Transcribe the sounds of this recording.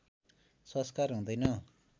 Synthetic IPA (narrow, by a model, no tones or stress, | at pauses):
sʌskaɾɦũd̪ʌjnʌ